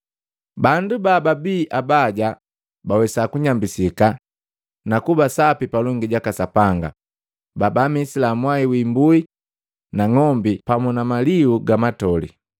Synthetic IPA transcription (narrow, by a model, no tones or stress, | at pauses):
bandubababiːʔabaɟa | bawɛsakuɲambisika | nakubasapipalɔŋɡiɟakasapaŋɡa̰ | babamisilamwaiwimbui | naŋɔmbipamɔnamaliuɡamatɔlḭ